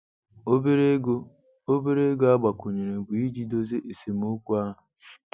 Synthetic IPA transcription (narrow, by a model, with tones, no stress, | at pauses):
o˦be˦ɾe˦ɡo˦ | o˦be˦ɾe˦ɡo˦a˦ɡ͡ba˨kʷo˨ɲe˨ɾe˨ɡʷi˨i˦d͡ʒi˦do˦ze˦ʔe˨se˨m˦ʊ˦kʷu˦a˦ɦʊ˨